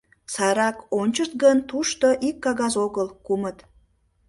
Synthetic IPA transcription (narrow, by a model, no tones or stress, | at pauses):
sɑɾɑkonʲt͡ɕərt̪̚ɡənt̪uʃt̪oʔikːɑɣɑzoɣəlkumət̪